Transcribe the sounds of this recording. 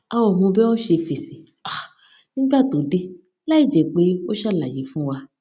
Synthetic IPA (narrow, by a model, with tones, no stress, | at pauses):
a˨wɔ˨mõ˧bɛ˦wɔ̃˦ʃe˧fe˨sĩ˨ | a˨ | nĩ˦ɡ͡ba˦˨t̪o˨˦de˦ | la˦i˦˨d͡ʒɛ˨k͡pe˦o˦ʃa˦˨la˨ji˨˦fũ˦wa˧